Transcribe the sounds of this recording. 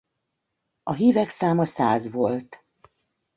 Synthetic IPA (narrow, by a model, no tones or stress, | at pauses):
ɒɦiːvɛksaːmɒsa̰ːzʋo̞lt̪